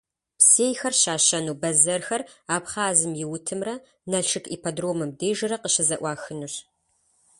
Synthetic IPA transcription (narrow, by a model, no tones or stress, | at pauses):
pseːjxɐrɕaːɕɐnuːbɐzɐrxɐraːpχaːzɨmjɪwʊtʰɨmrɐ | nɐɬʂʰɨkʼḭːpʰɐdroːmɨmdeːjʒɨrɐqəɕɪzɐʔʷɑːxɨnuɕ